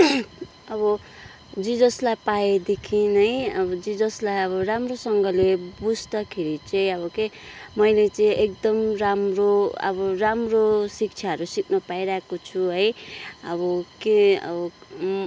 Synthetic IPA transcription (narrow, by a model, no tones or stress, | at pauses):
ʌbʌ | d͡zid͡zʌslajpaed̪ekʰinɦʌjʌbʌd͡zid͡zʌslajʌbʌramrosʌŋɡʌlebud͡zʱd̪akʰeɾit͡sʌĩʌβʌke | mʌjlet͡sʌĩʔek̚d̪ʌmramroʌ̰bʌramrosik̚t͡sʰjaɦʌɾusikʰnʌpaiɾaekot͡sʰuɦʌjʌbʌkeʌ̰bʌ